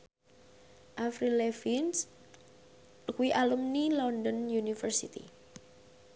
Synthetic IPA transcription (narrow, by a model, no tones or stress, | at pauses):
ʔafɾilefins | kuiʔalumnilɔndɔnjunifərsit̪ḭ